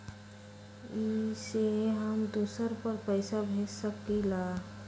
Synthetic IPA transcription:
iseɦəmd̪uːsəɾpəɾpəɪsabʱeːt͡ʃsəkila

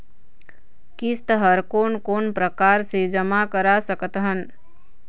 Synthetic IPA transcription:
kist̪əɦəɾkonkonpɾəkaɾsed͡ʒəmakəɾasəkət̪ɦən

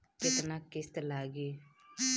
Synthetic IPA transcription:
kɪt̪naːkɪst̪laːɡeː

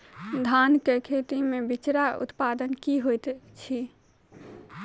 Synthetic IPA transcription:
d̪ʱankekʰet̪imebit͡ʃɾaṵt̪pad̪ənkiɦojt̪t͡ʃʰi

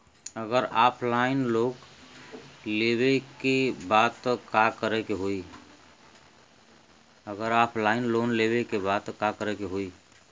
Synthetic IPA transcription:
əɡəɾapʰlaɪnlok | leβekebat̪ːkakəɾɛkeɦoi | əɡəɾapʰlainlonlebekebat̪kakəɾɛkeɦoi

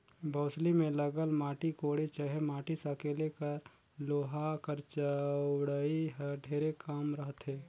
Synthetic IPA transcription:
bʱəːslimẽləɡəlmaːʈikoːɽet͡ʃəɦɛmaːʈisəkelekəɾ | loːɦakəɾt͡ʃəɽəiɦɖʱeːɾekaːmɾəɦt̪ɦeː

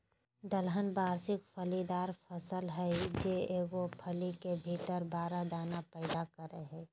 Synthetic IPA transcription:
d̪əlɦənbaːɾsɪk̚fʰəlid̪aːɾfʰəsəlɦɛd͡ʒeeːɡopʰəlikebʱiːt̪əɾbaːɾad̪aːnapɛːd̪akəɾəɦɛ̃ː

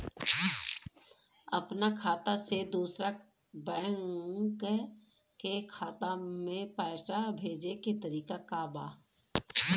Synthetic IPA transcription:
ɐpnakʰaːt̪ased̪uːsɾa | bɛ̃ːke | kekʰaːt̪amẽpaːʈabʱeːd͡ʒeket̪əɾiːkakabaː

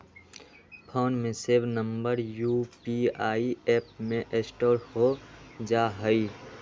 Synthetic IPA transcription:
pʰoːnmẽseːbnəmbəɾjupiaːieːp̚mẽʔesʈoːɾhod͡ʒaːɦəi

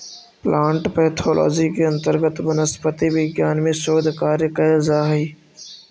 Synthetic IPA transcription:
plʔaːɳʈpɛːt̪ʰoːlʔɔ̰ːd͡ʒikeɐ̃nt̪əɾɡət̪mənəspət̪iʋɪɡjaːnmẽsoːd̪ʱkaːɾjəkəzaːɦiː

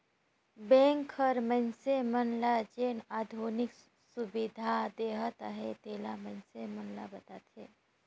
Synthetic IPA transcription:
bẽːŋkʰːəɾmənsemənlad͡ʒeːnaːd̪ʱoːnɪk | subid̪ʱad̪eːɦət̪əɦet̪eːlamənsemənla̰bət̪aːt̪ʰeː

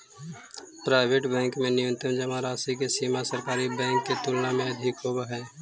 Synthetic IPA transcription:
pɾaːɪbeʈbɛ̃ːŋkmẽnɪjə̃nt̪ənd͡ʒəmaɾaːsikesiːmasəɾkaːɾibɛ̃ːŋkːet̪uːlnamẽɐd̪ʱɪkɦoːbaɦɛː

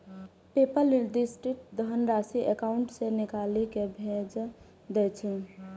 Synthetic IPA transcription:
pepəld̪isʈɾik̚d̪əɦənɾasiʔekaʊɳʈsenikalikebʱed͡ʒ | d̪ɛt͡ʃʰɛ

